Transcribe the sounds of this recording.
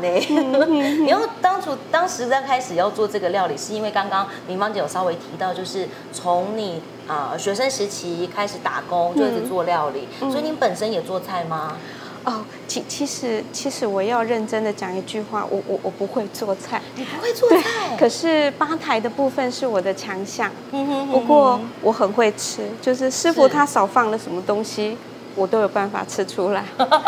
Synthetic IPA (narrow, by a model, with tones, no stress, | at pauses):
ne˨˩˥ni˨˩jo˥˩ʊt̪ɑ˥ŋt͡sʰu˥˩t̪ɑ˥ŋʂɻ̩˧˥t͡sa˥˧ɪkʰa˥ɪʂɻ̩˨˩jɑ˥˧ʊt͡swɔ˥˧ʈ͡ʂɤ˥˩ɡə˩ljɑ˥˩ʊli˨˩ʂɻ̩˥˩i˥nwe˥˩ɪkɑ˥ŋkɑ˥ŋmi˧˥nfɑ˥ŋt͡ɕe˧˥jo˨˩ɑ˥ʊwe˧˥ɪt̪ʰi˧˥t̪ɑ˥˧ʊt͡ɕjo˥˧ʊʂɻ̩˥˩ | t͡sʰo˧˦˥ŋni˨˩ | ə˧ɕɥɛ˧˥ʂə˦˥nʂɻ̩˧˥t͡ɕʰi˧˥˧kʰa˥ɪʂɻ̩˨˩˦t̪a̰˨˩kʊ˦ŋt͡ɕjo˥˧ʊ˥˧˥t͡swɔ˥˧ljɑ˥˧ʊlḭ˨˩swɔ˧˥i˨ni˧˥npə˨˩nʂə˦˥njɛ˨˩t͡swɔ˥˧t͡sʰa˥˩ɪma˩ | ɔ˥˩ | t͡ɕʰi˧˥t͡ɕʰi˧˥ʂɻ̩˧˥t͡ɕʰi˧˥ʂɻ̩˧˥wɔ˨˩jɑ˥˧ʊɻə˥˩nʈ͡ʂə˥nd̪ə˨t͡ɕjɑ˨˩ŋi˧˥t͡ɕy˥˧xwa̰˥˩wʔɔ̰˨˩wʔɔ̰˨˩wʔɔ˨˩pu˧˥xwe˥˧ɪt͡swɔ˥˧t͡sʰa˥˩ɪni˨˩pu˧˥xwe˥˧t͡swɔ˥˧twe˥˩ɪa˥˩ɪɪkʰɤ˨˩ʂɻ̩˥˩pa˥t̪ʰa˧˥ɪd̪ə˧pu˥˧fə˧nʂɻ̩˥˩wɔ˨˩d̪ə˦t͡ɕʰjɑ˧˥ŋɕjɑ˥˩ŋ˧u˧˥kwɔ˥˩wɔ˧˥xə˨˩nxwe˥˩ɪʈ͡ʂʰɻ̩˥t͡ɕjo˥˧ʊʂ̬ɻ̩˥˧ʂɻ̩˥˧fu˧˩t̪ʰa˥sɑ˨˩ʊfɑ˥˩ŋlə˩ʂə˧˥nmə˧t̪ʊ˥ŋɕi˧ | wɔ˨˩t̪o˥ʊjo˨˩ʊpa˥˩nfa̰˨˩ʈ͡ʂʰɻ̩˥ʈ͡ʂʰu˥la˧˥˦ɪ